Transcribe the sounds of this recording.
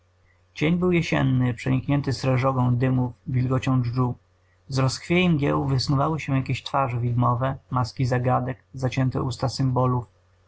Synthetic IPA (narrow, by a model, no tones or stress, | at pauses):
t͡ɕeɲbɘwjɛɕɛ̰nːɘpʂɛɲikɲɛnt̪ɘsɾɛʐɔɡɔ̃w̃d̪ɘmufvʲilɡɔt͡ɕɔ̃w̃ʐʐu | zɾɔskfʲjejɛmɡʲjɛ̰wuvɘsnuvawɘɕɛjakʲeɕt̪faʐɛvʲid̪mɔvɛmaskʲizaɡad̪ɛkzat͡ɕɛnt̪ɛ̰ʔust̪asɘmbɔluf